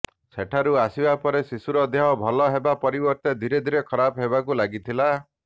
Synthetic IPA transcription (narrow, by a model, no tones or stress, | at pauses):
sʰeʈʰaɾuasibapɔɾesisuɾɔd̪eɦɔbʱɔlɔɦebapɔɾibɔɾt̪ed̪ʱiɾed̪ʱiɾekʰɔɾapɔɦebakulaɡit̪ʰila